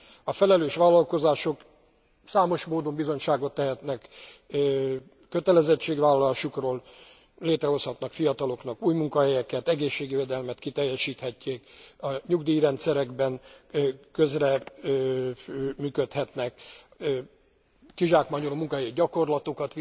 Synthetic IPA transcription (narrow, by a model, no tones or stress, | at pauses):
ɒfɛlɛløːʃʋaːlːɒlko̞zaːʃo̞k | saːmo̞ʃmoːd̪o̞mbizo̞ɲʃaːɡo̞t̪ːɛɦɛt̪nɛkː | øt̪ɛlɛzɛt͡ʃːeːɡʋaːlɒlaːʃukroːl | leːt̪rɛɦo̞shɒt̪nɒkfijɒt̪ɒlo̞knɒkuːjmuŋkɒɦɛjɛkɛt̪ɛɡeːʃːeːɡiveːd̪ɛlmɛt̪kit̪ɛjːɛʃiːt̪hɛcːeːkɒɲuɡd̪ijiɾɛnt̪sɛɾɛɡbɛn | kø̞zrɛ | myːkø̞t̪hɛt̪nɛk | kiʒaːkmaːɲolomuŋkɒɦɛjiɟɒko̞rlɒt̪okɒt̪ʋ